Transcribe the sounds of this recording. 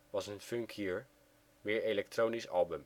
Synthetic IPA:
ʋɑsənføŋkʰjiɹ | mɪːɹelɛk̚troːnisɑlˠbəm

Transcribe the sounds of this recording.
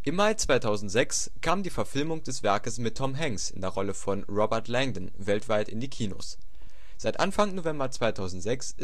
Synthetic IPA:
ʔɪmːaɪt͡sv̥aɪtʰaʊzn̩tz̥ɛks | kʰaːmdiːfɛɐfɪlmʊŋd̥ɛsv̥ɛɐkəsmɪtʰːɔmɦɛŋsɪ̰ndeːɐʁɔləfɔnʁɔbɛɐtʰlɛŋdn̩ | vɛltv̥aɪtɪ̰ndiːkʰiːno̰s | z̥aɪtʔa̰nfaŋnovɛmbɐt͡sv̥aɪtʰaʊzn̩tz̥ɛksɪ

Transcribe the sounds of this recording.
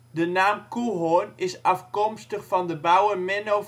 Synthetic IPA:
dənaːmkuɦonɪsɑfkɔmstəχfɑndəbawəmɛno

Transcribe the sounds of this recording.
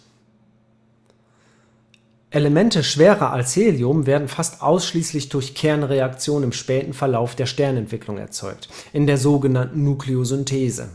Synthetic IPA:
ʔeləmɛntəʃv̥eːʁɐʔa̰lsheːljʊmveːɐdn̩fastʔaʊsʃliːslɪçd̥ʊɐçkʰɛɐnʁeak̚t͡sjoːnənɪmʃpɛːtn̩fɛɐlaʊfd̥eːɐʃtɛɐnɛntv̥ɪklʊŋɛ̰ɐt͡sɔ̰ʏk̚tʔɪndeːɐzoːɡənantn̩ːukleozʏntʰeːzə̰

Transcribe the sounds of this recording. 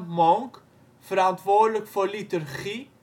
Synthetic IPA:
mɑŋk | fəɾɐntvoːrdləkfɔrlitərχi

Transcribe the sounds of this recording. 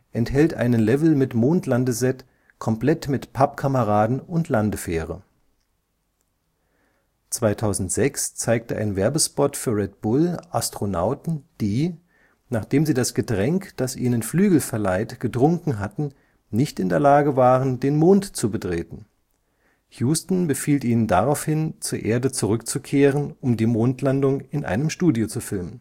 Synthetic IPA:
ʔɛnthɛltʔa̰ɪnənlɛvl̩mɪtmoːntlandəzɛt | kʰɔmpl̥ɛtmɪtpʰapkʰaməʁaːdn̩ʊntʰlandəfɛːʁə̰ | t͡sv̥aɪtʰaʊzn̩tz̥ɛkst͡saɪk̚təʔa̰ɪnvɛɐbəspɔtfyːɐʁɛt̚b̥ʊlʔastʁ̥onaʊtn̩d̥iː | naːχd̥eːmziːdasɡ̥ədʁɛŋkd̥asʔḭːnənflyːɡl̩fɛɐlaɪtɡ̥ətʁ̥ʊŋkŋ̩ɦatn̩ | nɪçtɪndeːɐlaːɡəvaːʁəndeːnmoːntt͡subətʁ̥eːtn̩ | hjuːstn̩bəfiːlʔiːnəndaʁaʊfhɪnt͡suːɐʔeːɐdət͡suʁʏkt͡sukʰeːʁənʔʊmdiːmoːntʰlandʊŋɪnʔa̰ɪnəmʃtuːdjot͡sufɪlmən

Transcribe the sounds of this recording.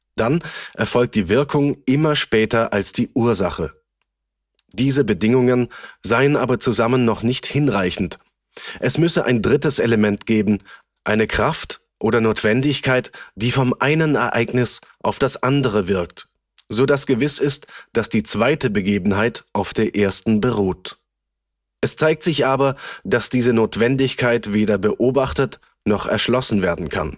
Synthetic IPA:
d̥anʔɛɐfɔlk̚td̥iːvɪɐkʰʊŋʔɪmɐʃpɛːtɐʔalsd̥iːʔuːɐzaχə | d̥iːzəbədɪŋʊŋənzaɪənʔaːbɐt͡suzamənːɔχnɪçthɪnʁaɪçn̩t | ʔɛsmʏsəʔa̰ɪndʁɪtəsʔeləmɛntɡ̥eːbm̩ | ʔaɪnəkʁ̥aft | ʔoːɾɐnoːtv̥ɛndɪçkʰaɪtd̥iːfɔmʔaɪnənɛɐʔa̰ɪɡnɪsʔaʊfd̥asʔandəʁ̞əvɪɐk̚t | z̥oːdasɡ̥əvɪsɪstd̥asd̥iːt͡sv̥aɪtəbəɡeːbn̩ɦaɪtʔaʊfd̥eːɐʔeːɐstn̩bəʁ̞oːt | ʔɛst͡saɪk̚tz̥ɪçʔaːbɐd̥asd̥iːzənoːtv̥ɛndɪçkʰaɪtv̥eːdɐbəʔoːbaχtət | nɔχɛ̰ɐʃlɔsn̩veːɐdn̩kʰa̰n

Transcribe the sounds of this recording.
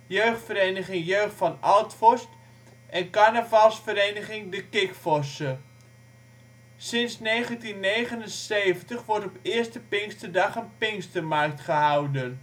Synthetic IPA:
jøɥχtfəɾejnəχɪŋjøɥχtfɑnalˠtfɔst | ʔɛnkanəvalˠsfəɾejnəχɪŋdəkɪkfɔsə | sɪnsnejχəntinːeːχənənseːvəntəχʋɔɹtɔpɪːstəpɪŋstədɑχənpɪŋstərmark̚tχəɦawdən

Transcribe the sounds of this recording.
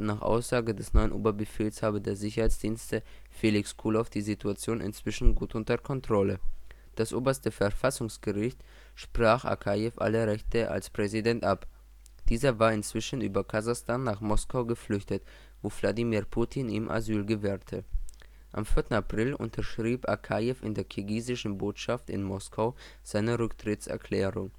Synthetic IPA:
naːχʔa̰ʊsz̥aːɡədɛsnɔʏənʔo̰ːbɐbəfeːlshaːbədeːɐzɪçɐhaɪt͡sd̥iːnstəfelɪkskʰuːlɔfd̥iːzitʰuat͡sjoːnʔɪ̰nt͡sv̥ɪʃn̩ɡuːtʔʊntɐkʰɔntʁ̥ɔlə | d̥asʔoːbɐstəfɛɐfasʊŋsɡ̥əʁɪçt | ʃpʁ̥aːχʔa̰kʰajɛfʔa̰ləʁɛçtəʔa̰lspʁ̥ɛzidɛntʔap | d̥iːzɐvaːɐɪnt͡sv̥ɪʃənyːbɐkʰazaχstaːnːaːχmɔskaʊɡəflʏçtət | voːvladimiːɐʁpʰuːtʰinḭːmʔa̰zyːlɡəvɛːʁtʰə | ʔa̰mfɪɐtn̩apʁ̥ɪlʊ̰ntʰɐʃʁ̥iːpa̰kʰajɛfɪ̰ndeːɐkʰiɡiːzɪʃn̩boːtʃaftɪ̰nmɔskʰaʊ | z̥aɪnəʁʏktʁ̥ɪtsɛ̰ɐkʰl̥ɛːʁʊŋ

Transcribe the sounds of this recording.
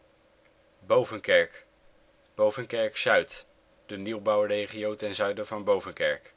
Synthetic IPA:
bowvənkɛɹk | b̥owvənkɛɹksœɥt | d̥əniwbɑwrejχijowtɛnzœɥdəvɑnbowvənkɛɹk

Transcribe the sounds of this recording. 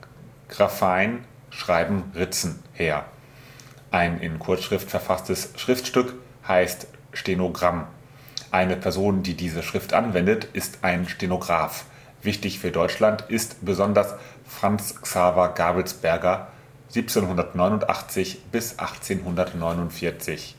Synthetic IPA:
ɡ̥ʁafaɪn | ʃʁ̥aɪbm̩ʁɪt͡sn̩heːɐ | ʔaɪnɪ̰nkʰʊɐt͡sʃʁ̥ɪftfɛɐfastəsʃʁ̥ɪftʃtʏk | haɪst | ʃtenoɡʁam | ʔaɪnəpʰɛɐzoːndiːdiːzəʃʁ̥ɪftʔa̰nvɛndətʔɪstʰʔaɪnʃtenoɡʁaːf | v̥ɪçtɪçfyːɐdɔʏt͡ʃlantʔɪstb̥əzɔndɐs | fʁ̥ant͡sksaːvɐɡaːbl̩sb̥ɛɐɡɐ | z̥iːp̚t͡seːnhʊndɐtnɔʏnʊntʔa̰χt͡sɪçb̥ɪsʔa̰χt͡seːnɦʊndɐtnɔʏnʊntfɪɐt͡sɪç

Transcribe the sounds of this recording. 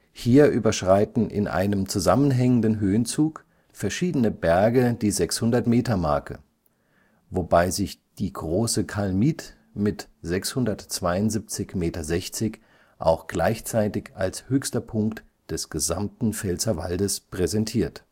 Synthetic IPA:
hiːɐʔyːbɐʃʁ̥aɪtn̩ʔɪ̰nʔa̰ɪnəmt͡suzamənɦɛŋəndənɦøːənt͡suːk | fɛɐʃiːdənəbɛɐɡəd̥iːzɛkshʊndɐtmeːtɐmaɐkə̰ | vobaɪzɪçd̥iːɡʁoːsəkʰalmiːt | mɪtz̥ɛkshʊndɐtt͡sv̥aɪʊntz̥ip̚t͡sɪçmeːtɐzɛçt͡sɪç | ʔa̰ʊxɡ̥laɪçt͡saɪtɪçalshøːçstɐpʰʊŋkt | d̥ɛsɡ̥əza̰mtn̩fɛlt͡sɐva̰ldəspʁ̥ɛzɛntʰiːɐt

